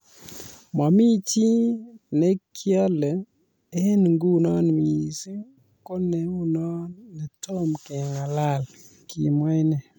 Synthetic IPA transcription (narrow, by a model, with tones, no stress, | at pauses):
ma˨mi˦t͡ʃi˦nɛ˦kʰja˦lɛ˨ | e˦nŋɡu˦nɔ˦nmi˨i˨si˦ | kɔ˦nɛ˨u˦nɔ˦nːɛ˨tʰɔ˦mkɛ˨ŋa˨la˦l | ki˨mwa˦jnɛ˨